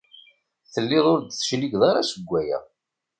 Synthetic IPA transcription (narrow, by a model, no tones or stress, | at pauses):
θəlːɪðˤʊɾd̪θə̥ʃliɡðˤɑɾasəɡʷːæjæ̰